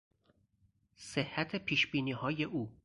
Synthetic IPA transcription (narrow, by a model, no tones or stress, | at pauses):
sehːæt̪ʰe̞pʰiːʃb̥iːniːhɒːje̞ʔuː